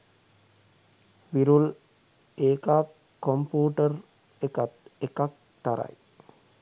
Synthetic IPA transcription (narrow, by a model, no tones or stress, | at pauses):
ʋiɾul | eːkakː | ompuːʈər | ekat̪ekak̚ | t̪aɾa̰j